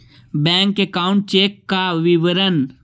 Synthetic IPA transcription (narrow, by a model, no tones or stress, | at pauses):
bɛ̃ːŋkːekaːʊ̃ɳʈ̚t͡ʃeːkːaʋɪʋəɾən